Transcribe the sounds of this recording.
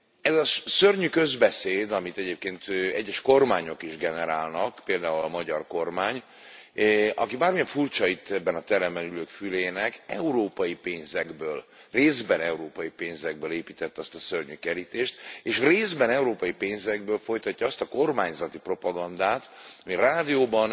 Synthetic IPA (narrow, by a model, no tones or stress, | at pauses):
ɛzɒsørɲykøzbɛseːd̪ɒmit̪ɛɟeːp̚keːnt̪øɛɟːɛʃko̞rmaːɲo̞kiʒɡɛnɛɾaːlnɒkpeːld̪aːulɒmɒɟɒrko̞rmaːɲ | ʔɒkibaːrmijɛɱfurt͡ʃɒit̪ːɛbːɛnɒt̪ɛɾɛmbɛnyløːkfyleːnɛkɛ̰uɾoːpɒjipeːnzɛɡbøːlreːzbɛnɛuɾoːpɒjipeːnzɛɡ̚bøːleːpiːt̪ɛt̪ːɒst̪ɒsørɲykɛɾit̪eːʃt̪eːʃreːzbɛnɛuɾoːpɒjipeːnzɛɡbøːlfo̞jt̪ɒcːɒɒst̪ɒko̞rmaːɲzɒt̪ipro̞pɒɡɒnd̪aːt̪ɒmiraːd̪ijoːbɒn